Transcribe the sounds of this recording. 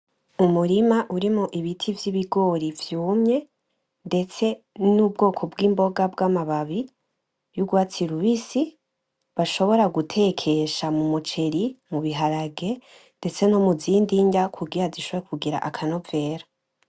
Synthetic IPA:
umuɾimaʔuɾimoʔiβitʰivjiβiɡo̞ɾivjuːmɲe̞ | nde̞t͡se̞ | nuːb̚ɡo̞ːkʰo̞bɡiːmbo̞ɡabɡaːmaβaβi | juɡwaːt͡siɾuβisi | βaʃo̞βo̞ɾaɡutʰe̞kʰe̞ʃamumut͡ʃe̞ɾimuβiɦaɾaɡe̞ | nde̞t͡se̞nomuziːndiɲdakʰuɡiɾaziʃoβoɾekʰuɡiɾa̰ʔakʰano̞ve̞ːɾa

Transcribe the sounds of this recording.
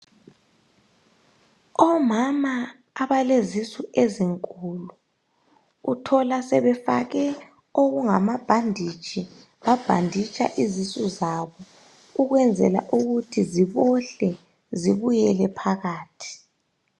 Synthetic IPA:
ɔmamaː | βalezisuʔeziŋkʼuluː | tʰɔlasɛβɛfa̰ɣɛ | oɣuŋamab̥ʱandʱit͡ʃʼi | βab̥ʱandʱit͡ʃʼa̰ʔizisuzaβɔ | uɣwɛnd͡zʱɛ̰la̰ʔuɣutʰiziβɔɬɛ | ziβujɛlɛpʰaɣaːtʰi̥

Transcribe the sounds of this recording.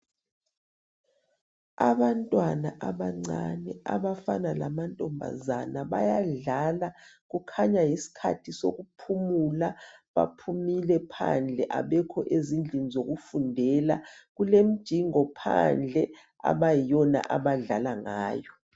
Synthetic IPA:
aβantʼwanaʔaβaŋ͡ǀanɛa̰βafanalamantʼɔmbʱa̰zanaβa̰jaɮalaɣukʰaɲajisi̥kʰa̰tʰiso̰ɣupʰumulaβa̰pʰumilɛpʰa̰nd͡ɮʱɛʔaβɛkʰɔʔezind͡ɮʱinizoɣufundʱɛlaɣulem̩d̥ʒ̥ʱiŋɔpʰa̰nd͡ɮʱɛ | a̰βajijɔna̰ʔaβaɮalaŋaːjɔ

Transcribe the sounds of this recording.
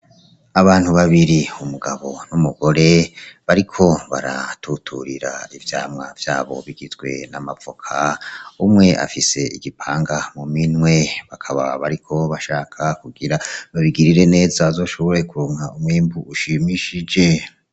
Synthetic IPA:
aβaːnhuβaβiɾiumuɡaβo̞numuɡ̥o̞ɾe̞βaɾikʰo̞βa̰ɾa̰tʰutʰuɾiɾa̰ivja̰ːmŋavjaːβo̞̰βiɡizɡwe̞̰namavokʰaumŋe̞ʔa̰fise̞ḭɡipʰaːŋɡamuminwe̞βakʰaβaβaɾikʰo̞βaʃaːkʰakuɡiɾaβaβiɡiɾiɾe̞ne̞ːzaːzo̞ːʃo̞βo̞ɾe̞kuɾoːŋhaumwiːmbuʔuʃimiʃid͡ʒe̞

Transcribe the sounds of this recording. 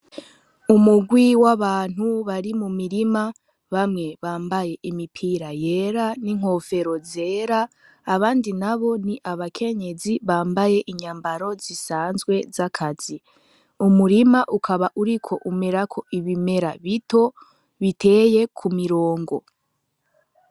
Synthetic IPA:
umuɡwiwaβaːn̥huβaɾimumiɾima | βamŋe̞βaːmbaje̞ʔimipʰiːɾaje̞ɾaniŋ̥ho̞fe̞ɾo̞ze̞ːɾaː | βaːndinaβo̞niʔaβakʰe̞ɲe̞ziβaːmbaje̞ʔiɲaːmbaɾo̞zisaːnzɡwe̞zakʰaz̥i | umuɾimaʔukʰaβaʔuɾikʰo̞ʔume̞ɾakʰo̞ʔiβime̞ɾaβitʰo̞ | βite̞ːje̞kʰumiɾo̞ːŋɡo̞

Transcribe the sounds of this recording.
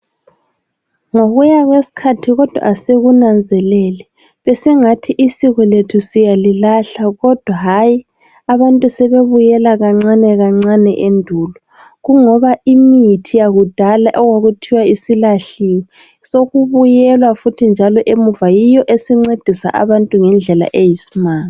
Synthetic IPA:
ŋoɣujaɣwesi̥kʰatʰiɣɔd̥ʱwa̰ʔːseɣunand͡zʱɛlɛlɛ | βɛsɛŋatʰiʔisiɣɔletʰusijalilaɬaɣɔd̥ʱwaɦaːji | aβantʼusɛβeβujɛlaɣaŋ͡ǀanɛɣaŋ͡ǀanɛʔendʱuːlɔ | ɣuŋɔβaimitʰijaɣud̥ʱalaʔɔwaɣutʰiwaisilaɬiwɛ | soɣuβujɛlwafutʰind͡ʒʱalɔʔemuvajijɔʔesiŋ͡ǀed̥ʱisa̰ʔa̰βantʼuŋɛnd͡ɮʱɛla̰ʔejisi̥maːŋa

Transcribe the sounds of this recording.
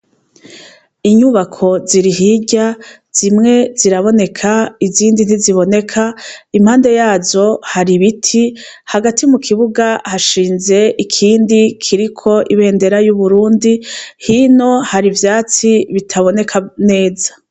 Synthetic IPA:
iɲuβakʰo̞ziɾiɦiɟa | z̥imŋe̞z̥iɾaβo̞ne̞kʰaiziːndin̥iziβo̞ne̞kʰaim̥haːnde̞jaːzo̞haɾiβitʰi | haɡatimukʰiβuɡahaʃiːnze̞ʔikʰiːndikʰiɾikʰo̞ʔiβe̞ːnde̞ɾajuβuɾuːndihiːno̞haɾivjaːt͡siβitʰaβo̞ne̞kʰane̞ːzḁ

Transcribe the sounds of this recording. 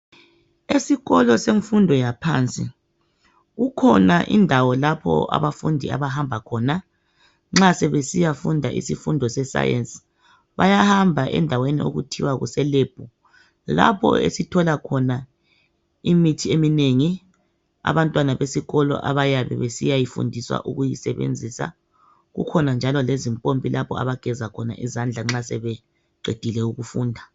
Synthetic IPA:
esiɣɔlɔseɱfundʱɔjapʰa̰ːnt͡sʼi | ɣukʰɔnaʔḭndʱawɔlapʰɔ̰a̰βafundʱia̰βahambʱakʰɔːna | ŋ͡ǁasɛβesijafundʱaʔḭsifundʱɔsɛsa̰jɛ̰nsʼi̥ | βajahambʱaʔɛ̰ndʱawenḭo̰ɣutʰiwaɣṵsɛleːb̥ʱu | la̰pʰɔ̰ḛsitʰɔlakʰɔna | imitʰiemineŋi | a̰βantʼwanaβesiɣɔlɔ̰ʔa̰βajaβɛ̰βesḭjajifṵndʱiswa̰ʔuɣujisɛβḛnd͡zʱisa̰ | ɣṵkʰɔnand͡ʒʱalɔlezimpʼompʼilapʰɔa̰βaɡ̥ʱɛzakʰɔna̰ʔizand͡ɮʱaŋ͡ǁasɛβɛ | ǃed̥ʱilɛuɣufuːndʱa

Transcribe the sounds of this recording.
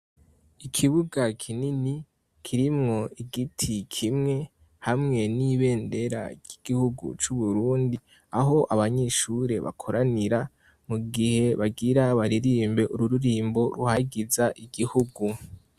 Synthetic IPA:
ikʰiβuɡakʰinini | kʰiɾimŋo̞iɡitʰikʰimŋe̞ | hamŋe̞niβe̞ːnde̞ɾa̰ɾɟ̥iɡ̥ihuɡṵt͡ʃuβuɾuːndi | aɦo̞ʔaβaɲeːʃuɾe̞βa̰kʰo̞ɾaniɾa | muɡihe̞βaɡiɾaβaɾiɾiːmbe̞ʔuɾuɾuɾiːmbo̞ɾuhaɡizaʔiɡihuɡu

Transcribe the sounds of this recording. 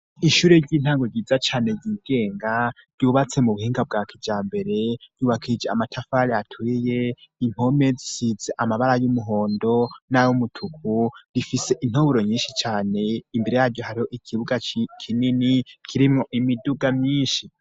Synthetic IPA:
iʃuːɾeɾɟiːn̥haːŋɡoɾɟiːzat͡ʃaːne̞ɾɟiːɡe̞ːŋɡa | ɾjuβat͡se̞muβuhiːŋɡab̚ɡaːkʰid͡ʒaːmbe̞ɾe̞ɾ̥juːβakʰiid͡ʒeamatʰafaɾiatʰwije̞in̥ho̞me̞zisizeʔamaβaɾajumuɦo̞ːndo̞najomutʰukuɾifise̞ʔin̥oβuɾoɲiːnʃit͡ʃaːne̞imbeɾe̞jaːɾɟoɦaɾiho̞ʔikʰiβuɡat͡ʃikʰininikʰiɾimŋo̞ʔimiduɡamɲiːʃi

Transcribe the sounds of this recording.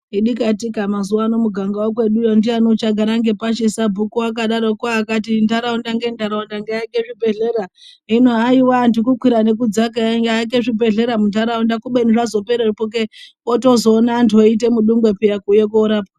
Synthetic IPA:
iɗikatikamazuwaːno̞muɡʱaŋɡawokwe̞ɗujondiano̞t͡ʃaɡʱaɾaŋɡe̞paʃisabʱukuwak̬aɗaɾokwaːkatintaɾaundaŋɡentaɾaundaŋɡeaikeʐibʱe̞ɮe̞ɾaɦinoɦaiwandikukwiɾanek̬ud͡zakaŋɡaik̬eʐibʱe̞ɮe̞ɾamuntaɾaundakuɓeniʐazo̞peɾeripok̬e | oto̞zoːnantoit̬e̞muɗuŋɡwe̞pijakujekuːɾaːpa

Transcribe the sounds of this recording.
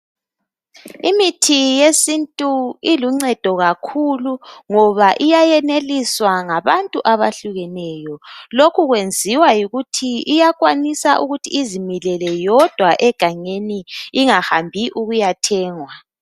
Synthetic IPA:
imitʰijesintʼuiluŋ͡ǀɛd̥ʱɔɣakʰuluŋɔβaʔijajɛneliswaŋaβantʼuʔaβaɬuɣɛnɛjɔlokʰuɣwend͡zʱiwajuɣutʰiijakʼwanisa̰ʔuɣutʰḭːzimilɛlɛjɔd̥ʱwaʔɛɡ̥ʱaɲeniːŋahambʱiʔuɣujatʰɛːŋwa

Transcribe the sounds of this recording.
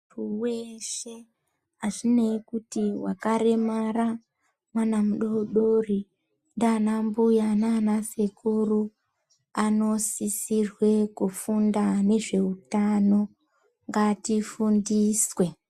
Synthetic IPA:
ruweʃe | aʐinekutiwa̰kaɾe̞mara | mwanamuɗo̞ɗori | ndanambujananasekuru | ano̞sisirwe̞kufundane̞ʐe̞utano̞ | ŋɡatifundiswe̞

